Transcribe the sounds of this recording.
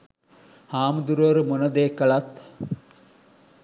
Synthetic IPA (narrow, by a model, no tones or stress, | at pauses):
haːmd̪uɾʋəɾumonəd̪eːkəɭat̪